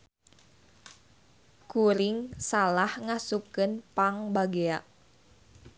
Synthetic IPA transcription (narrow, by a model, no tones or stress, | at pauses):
kuɾɪŋsalahŋasukɨnpaŋbaɡea